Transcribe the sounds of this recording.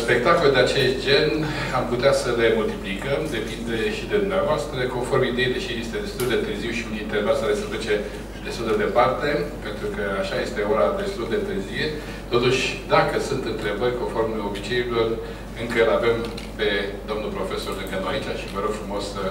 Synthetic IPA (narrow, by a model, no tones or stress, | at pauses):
spe̞k̚t̪ako̞ld̪eat͡ʃe̞st̪̚d͡ʒe̞n | amput̪easəle̞mult̪iplikəmd̪e̞pind̪e̞ʃid̪ed̪umneavoast̪ɾəko̞nfo̞rmid̪e̞jd̪eʃijest̪ed̪e̞st̪uld̪e̞t̪ɨrziwʃiunint̪evasaɾesəflet͡ʃe̞ | d̪e̞st̪uld̪ed̪e̞part̪e̞pe̞nt̪ɾukəaʃaje̞st̪e̞o̞ɾad̪e̞st̪uld̪e̞t̪ɨrzie | t̪o̞t̪uʃʲd̪akəsunt̪ɨnt̪ɾe̞bərʲko̞nfo̞rmo̞bit͡ʃe̞ilo̞r | ɨŋkənave̞m | pe̞d̪o̞mnulpɾo̞fe̞so̞rɨŋkənuait͡ʃaʃivəɾo̞ɡ̥fɾumo̞sə